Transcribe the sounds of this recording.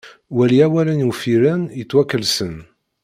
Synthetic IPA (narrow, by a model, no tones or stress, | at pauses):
wæliæwælənwfiɾənjət͡sːwækːəlsən